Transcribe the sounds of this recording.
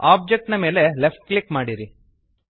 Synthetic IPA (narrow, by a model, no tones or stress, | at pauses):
aːb̚d͡ʒek̚ʈnɐme̞ːle̞lepʈ̚klikmaːɽiɾi